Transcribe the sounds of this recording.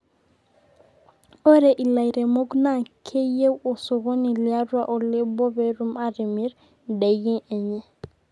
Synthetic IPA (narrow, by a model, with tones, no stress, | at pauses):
ɔ˦ɾɛ˨ʔi˨la˨jɾɛ˨mo˦ɡna˦kʰe˦je˦wɔ˨sɔ˨ɣɔ˦ni˨lia˦ɾwa˦ʔɔ˨le˦bɔ˦bɛ˦ɾu˦maɾi˨mi˦ɾ | da˨ɡi˦nɛ˨ɲɛ˦